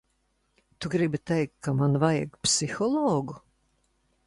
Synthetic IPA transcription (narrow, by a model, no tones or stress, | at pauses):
t̪uɡɾibit̪ɛjk̚tʰkːamanvajaɡpsixɔlˠɔːɡu